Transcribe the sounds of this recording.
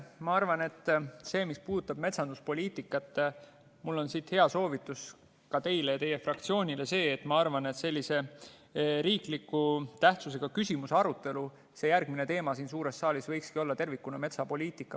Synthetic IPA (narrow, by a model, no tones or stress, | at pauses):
mɑɑrvɑne̞t̪ːse̞ːmispuːd̪ut̪ːˑɑb̥̚me̞t̪sɑnd̪̥uspo̞lʲiːt̪ːˑikːˑɑt̪ːˑ | mulːo̞nsit̪he̞ɑso̞ːvit̪ːˑus | kɑt̪e̞jlejɑt̪e̞je̞frɑkt̪sio̞ːnʲile̞se̞ːt̪ːˑmɑɑrvɑne̞t̪se̞lʲːise̞ | ɾiːklikːut̪æht̪sus̬e̞ɡ̥ɑkysimuseɑɾut̪ːˑe̞lu | se̞jærɡ̥mine̞t̪e̞ːmɑsiːns̬uːɾe̞sːɑːlʲisvɤjkskio̞lːɑt̪e̞rvikːunɑme̞t̪sɑpo̞lʲiːt̪ˑikːˑɑ